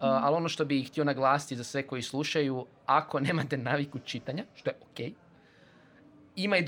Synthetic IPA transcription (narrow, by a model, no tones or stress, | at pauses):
alo̞noʃt̪o̞bixt̪ionaɡlˠaːsi̥t̪izasʋe̞ko̞jislˠuʃaju | ako̞ne̞ːmat̪e̞naːʋikut͡ʃit̪aɲaʃt̪o̞jeʔokeːj | imajd̪